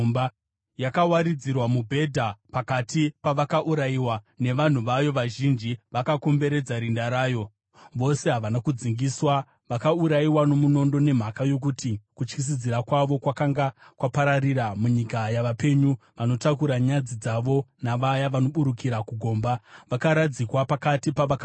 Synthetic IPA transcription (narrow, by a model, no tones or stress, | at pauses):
ba | jakawaɾid͡zirwamubʱe̞dʱapakatipaʋakaʔuɾaiwa | ne̞ʋan̤uʋajo̞ʋaʒind͡ʒiʋakako̞mbe̞ɾe̞d͡zaɾindaɾaːjo̞ | ʋo̞se̞ɦaʋanakud͡ziŋɡiswa | ʋakauɾaiwano̞muno̞ndo̞ne̞m̤akajo̞k̬utikut͡ʃkis̬id͡ziɾakwaʋo̞kwakaŋɡakwapaɾariɾamuɲikajaʋape̞ɲuʋano̞takuɾaɲad͡zid͡zaʋo̞naʋajaʋano̞ɓuɾukiɾakuɡʱo̞ːmbaʋakaɾad͡zikwapakatipaʋaka